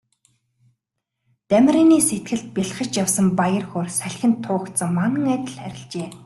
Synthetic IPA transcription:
t̪æm̆ʲriːniːset̪̚ɡɘ̆ɮt̪̚pʲiɮχə̆t͡ɕjawsə̆mpajə̆rxoːrsæɮʲxʲɪ̆nt̪ʰːʊːkt̪sə̆ŋmanə̆ŋæt̪ɪ̆ɮæɾʲɪ̆ɮt͡ɕeː

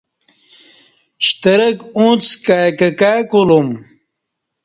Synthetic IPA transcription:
ɕt̪ɐɾɐkũt͡skajkɐkajkulum

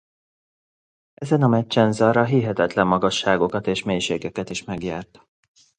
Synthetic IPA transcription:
ɛzɛnɒmɛt͡ʃːɛnzɒrɒɦiɦɛt̪ɛt̪lɛmːɒɡɒʃːaːɡo̞kɒt̪eːʃmeːjʃeːɡɛkɛt̪iʃmɛɡjaːrt̪

